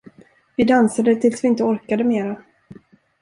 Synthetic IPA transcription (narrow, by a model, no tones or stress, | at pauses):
vɪd̪ansad̪ət̪ʰɪlsvɪɪnt̪əɔɾkad̪əmeːɾa